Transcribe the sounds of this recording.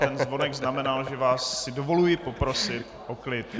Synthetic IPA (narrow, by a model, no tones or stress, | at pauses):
t̪ɛnzvo̞nɛɡznamɛnalʒɛvaːsːɪdo̞vo̞lujɪpo̞pɾo̞sɪt̪ | ʔoklɪt̪̚